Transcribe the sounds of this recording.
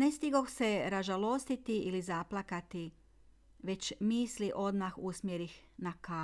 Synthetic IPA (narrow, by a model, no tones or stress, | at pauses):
nest̪iɡoxse̞ɾaʒalˠo̞st̪it̪iʔilizaplˠakat̪i | ʋe̞t͡ɕmiːsliʔo̞d̪maxusmjeɾixnaka